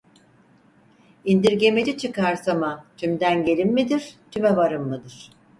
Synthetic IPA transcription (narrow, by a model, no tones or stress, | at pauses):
ind̪iɾɟe̞med͡ʒit͡ʃʰɯkaɾsamat̪ʰymd̪ænɟe̞lʲimːid̪iɾt̪ʰymɛvaɾɯmːɯd̪ɯɾ̥